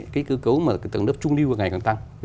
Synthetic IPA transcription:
kaː˨˦jkɨ˨˧˦kə˨˦wmaː˨˩t̪ɨ˨˩˨ŋnə˦˥p̚t͡ɕʊ˧ŋ͡mli˧wvəː˨˩ŋa˨˩jkɔ˨˧˩t̪a˧ŋ˧˦

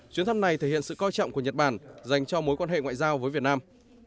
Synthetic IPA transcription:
t͡ɕwi˧ənt̪ʰa˧mna˨˩jt̪ʰe˧˩hḭ˧˨ə˨nsɨ̰˧˨kɔ˧jt͡ɕɔ̰˧˨ŋ͡mku˧˩əɲə˨˩t̚ɓaː˧˩nza˨˩jŋ̟t͡ɕɔ˧mo˨˦jkwaː˧nɦḛ˧˨ŋwa̰ː˧˨jzaː˧wvəː˨˦jvi˨˩ət̚naː˧m

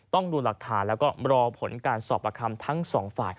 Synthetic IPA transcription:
t̪ɔ˥˩ŋduː˧la˨˩k̚t̪ʰaː˩˦nlɛː˦˥wkɔː˥˩ɾɔː˧pʰo˩˦nkaː˧nsɔː˨˩p̚ʔa˧kʰa˧mt̪ʰa˦˥ŋsɔː˩˦ŋfaː˨˩j

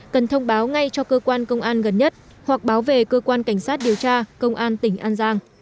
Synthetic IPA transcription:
kə˨˩nt̪ʰə˧wŋ͡mɓaː˨˦wŋa˧jt͡ɕɔ˧kəː˧kwaː˧nkə˧wŋ͡mʔaː˧nɣə˨˩nɲə˦˥t̚ | hwa˨˩k̚ɓaː˨˦wve˨˩kəː˧kwaː˧nka˧˩jŋ̟saː˦˥t̚ɗi˨˩əwt͡ɕaː˧kə˧wŋ͡mʔaː˧nt̪ï˧˩ŋ̟ʔaː˧nzaː˧ŋ

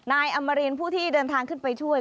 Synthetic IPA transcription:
naː˧jʔa˧mːa˧ɾiː˧npʰuː˥˩t̪ʰiː˥˩dɤː˧nt̪ʰaː˧ŋkʰɯ˥˩npa˧jt͡ɕʰu˥˩əj

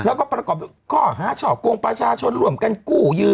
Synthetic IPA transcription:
lɛ˦˥wkɔː˥˩pɾa˧kɔː˨˩p̚kʰɔː˥˩ɦaː˨˦t͡ɕʰɔː˨˩p̚ko˧ŋpɾa˧t͡ɕʰaː˧t͡ɕʰo˧nɾu˧˩əmka˧nkuː˥˩jɯː˧

